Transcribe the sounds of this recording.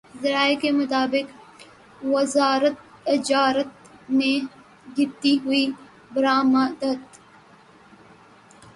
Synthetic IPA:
zɐɾaːekemʊt̪aːbɪk | ʋɐzaːɾət̪̚ | ɪd͡ʒaːɾət̪ | mẽ | ɡʱɪt̪ːiɦʊi | bɾaːmad̪ət̪

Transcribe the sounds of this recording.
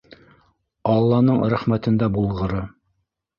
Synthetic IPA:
ɑlˠːɑnɤɴɾæχmæt̪ɘ̆nd̪æbulˠʁɤ̆ɾɤ

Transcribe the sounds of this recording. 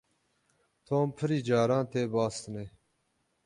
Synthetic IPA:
t̪ʰoːmpʰəɾiːd͡ʒaːɾãːnt̪ʰeːbaːst̪neː

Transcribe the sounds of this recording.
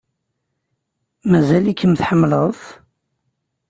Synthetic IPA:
mæzælikːəmθħəmːləð

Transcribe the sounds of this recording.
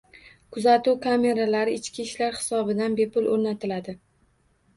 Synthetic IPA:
kʰʊzat̪uwkʰame̞ɾalaɾɪɪt͡ʃkʲiʃlaɾhɪ̥sɒbɪd̪anbe̞pʰʊlʔoɾnat̪ʰɪlad̪ɪ

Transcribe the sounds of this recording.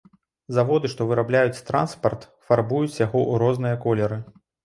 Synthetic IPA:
zavɔd̪ɨʂt̪ɔvɨɾablʲajut͡sʲt̪ɾa̰nspɐrt̪ | farbujut͡sʲjaɣɔʔuɾɔznɨjɐkɔlʲɛɾɨ

